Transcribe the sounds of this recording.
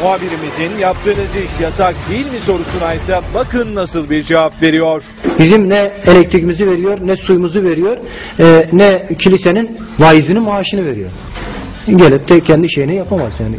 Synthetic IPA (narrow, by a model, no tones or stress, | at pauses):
moabiɾimizinjap̚t̪ʰɯːnɯziʃjasak̚d̪ejilʲmiso̞ɾusunajsabakʰɯnːasɯlˠbiɾd͡ʒevapve̞ɾijoɾ̥bizimnɛelʲɛc̚t̪ʰɾicimizive̞ɾijo̞ɾnɛsujmuzɯve̞ɾijo̞ɾ | ɛnɛcʰilʲisenin | vajzɯnɯnmaːʃɯnɯve̞ɾijoɾ̥ | ɟelʲip̚t̪ʰɛcʰɛnd̪iʃe̞jinɛjapʰamazjaːni